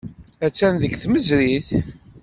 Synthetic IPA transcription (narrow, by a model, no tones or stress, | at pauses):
æt͡sːænðəɡθməzɾiθ